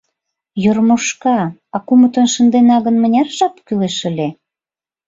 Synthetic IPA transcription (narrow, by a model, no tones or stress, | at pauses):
jormoʃkɑɑkumət̪onʃə̆nd̪enɑɣənmə̆nʲɑrʒɑpkyleʃə̆lʲe